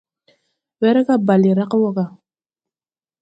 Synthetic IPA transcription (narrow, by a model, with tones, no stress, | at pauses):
wɛ˦ɾɛ˦ka˦ba˨li˨ɾa˦qwɔ˦ka˨